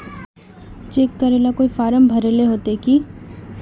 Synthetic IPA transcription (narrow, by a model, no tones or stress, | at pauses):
t͡ʃeːkːəɾeːlakoːifaːɾəmbʱɐɾeːleɦoːt̪eki